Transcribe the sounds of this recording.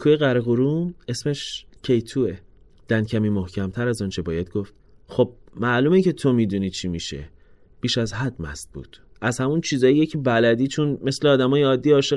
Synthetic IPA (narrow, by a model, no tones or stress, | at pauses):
kʰuːjeɣæɾeɣoɾume̞sme̞ʃcʰe̞jt̪ʰuːe | d̪̥æncʰæmiːmohcʰæmt̪ʰæɾæzɒːnt͡ʃʰe̞bɒːjæd̪̚ɡoft̪ | xo̞b̥̚mæʔluːmecʰet̪ʰomiːd̪uniːt͡ʃʰimiʃe̞̰ | b̥iːʃæzɦæd̪̚mæ̰sd̪̚b̥ṵːt̪ʰʔæzhæmunt͡ʃʰiːzɒːjijecʰibælæd̪iːt͡ʃʰonme̞sleɒːd̪æmɒːjeɒːd̪ːijɒːʃe